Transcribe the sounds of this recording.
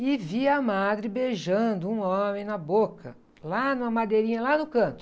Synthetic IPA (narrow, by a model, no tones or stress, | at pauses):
ɪviɐmad̪ɾɪbeʒɐ̃nd̪ʊũõmẽj̃nɐbokɐ̰ | lanʊ̃mɐmad̪eɾĩɲɐlanʊkɐ̃nt̪ʊ̥